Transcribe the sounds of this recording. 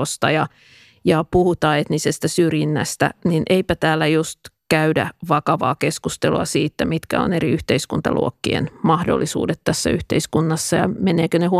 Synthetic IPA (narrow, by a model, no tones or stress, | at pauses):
ost̪ɑjɑ | jɑpuhut̪ɑːet̪nisest̪æsyrjinːæ̰st̪æ̰ninʔeipæt̪æːlːæjust̪kæydæ̰ʋɑkɑʋɑ̰ːkeskust̪eluɑsiːt̪ːæmit̪kæ̰o̰neriyht̪eiskunt̪ɑ̰lṵokːiḛnmɑhdo̰lːisṵːdet̪t̪æsːæ̰yht̪eiskunːɑsːɑjɑ̰meneːkønehu